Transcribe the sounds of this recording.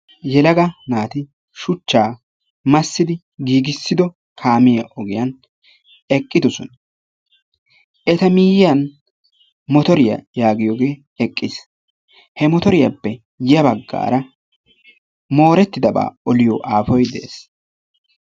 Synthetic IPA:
jɛlɐɡɐnaːt̪ɪ | ʃʊt͡ʃːaː | mɐsːɪd̪ɪ | ɡiːɡɪsːɪd̪ɔ | kʰaːmɪjɐʔɔɡɪjɐn | ɛkʼːɪd̪ɔsɔn | ʔɛt̪ɐmɪjɪjɐn | mɔt̪ɔɾɪjɐ̰jaːɡɪjoːɡe̞ː | ɛkʼːɪs | hɛmɔt̪ɔɾɪjɐpːɛ | jɪjɐbɐɡːa̰ːɾɐ | mo̞ːɾɛt̪ːɪd̪ɐba̰ːɔlɪjɔʔaːfɔjd̪ḛːs

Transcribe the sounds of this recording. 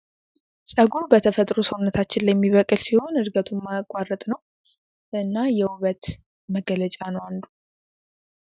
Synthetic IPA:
sʼəɡubət̪ʰəfət̪ʼɾusəwʊnːət̪ʰat͡ʃːɪnlːajɛmːiβəkʼɨlsiho̞nɨɾɡət̪ʰumakʼːarːət̪ʼnəw | ʔɨnːajɛuβət̪ | məɡələt͡ʃʼanəwandu

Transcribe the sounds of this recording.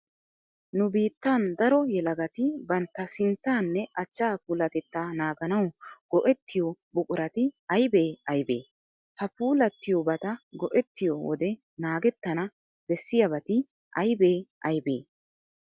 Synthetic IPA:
nʊbiːt̪ːaːnd̪ɐɾɔjɛlɐɡɐt̪ɪbɐnt̪ːɐsɪnt̪ːaːnːɛʔɐt͡ʃːaːpuːlɐt̪ɛt̪ːanaːɡɐnɐwɡ̥ɔʔɛt̪ːɪjɔbʊkʼʊɾɐt̪ɪɐjbeːɐjbḛː | hɐpuːlɐt̪ːɪjɔbɐt̪ɐɡɔʔɛt̪ːɪjɔwɔ̰d̪ɛ | naːɡɛt̪ːɐnɐ | b̥ɛsːɪjɐbɐt̪ɪ | ʔɐjbeːʔɐjbḛː

